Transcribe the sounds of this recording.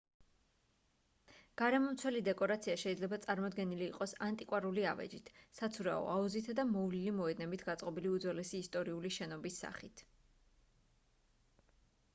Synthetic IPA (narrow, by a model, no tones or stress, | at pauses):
ɡ̥aɾɛmɔmt̪sʰwɛlid̪ɛkʼɔɾat̪sʰiaʃɛid̪zlɛbat̪sʼaɾmɔd̪ɡɛniliːqʼɔsant̪ʼikʼwaɾuliavɛ̰d͡ʒit̪ʰsat̪sʰuɾaɔ̰auzit̪ʰad̪amɔvlilimɔɛd̪nɛbit̪ʰɡat̪sʼqʼɔbiliud̪zwɛlɛsiːst̪ʼɔɾiuliʃɛnɔbisːa̰χit̪ʰ